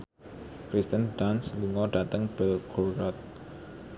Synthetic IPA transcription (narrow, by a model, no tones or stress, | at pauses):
kɾist̪ənɖansluŋɔɖ̥at̪əŋb̥ɛlkoɾɔt̪̚